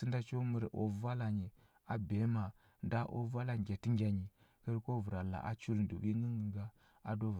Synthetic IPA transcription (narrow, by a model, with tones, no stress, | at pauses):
si˦nda˦t͡ʃo˦mə˨ɾʔo̰˨va˦la˨ɲi˨ | a˨be˨˦ma˨ | nda˦ʔo̰˦va˦la˨ŋ˨ɡʲa˨ti˦ŋɡʲa˨ɲi˨ | kə˦ɾko˦vu˨ɾa˨la̰˨ʔa̰˦t͡ʃu˦ɾn˨do̰˨wi˦ŋə˦ŋɡə˨ŋɡa˦ | a˨do˦˨